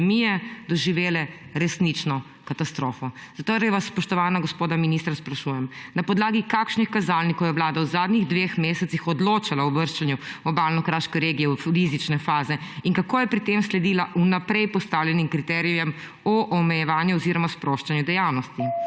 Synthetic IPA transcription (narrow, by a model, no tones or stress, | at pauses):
mijɛd̪ɔʒiʋeːlɛɾɛsnit͡ʃnɔ | kat̪ast̪ɾoːfɔzat̪oɾʋasːpɔʃt̪ɔʋaːnaɡɔspoːd̪aminist̪ɾaspɾaʃuːjɛmnapɔd̪laːɡikaːkʃnixkazalnikɔwjɛʋlaːd̪awzaːd̪niɣd̪ʋexmeːsɛtsixɔd̪loːt͡ʃalaɔʋəɾʃt͡ʃanjuɔbaːlnɔkɾaʃkɛɾeːɡijɛwɾizit͡ʃnɛfaːzɛiŋkakoːjɛpɾit̪emslɛd̪ilaʔunapɾɛjpɔst̪aːwlʲɛnimkɾit̪ɛɾijɛm | ɔʔɔmɛjɛʋaːnjuɔziɾɔmaspɾoːʃt͡ʃanjud̪ɛjawnɔst̪i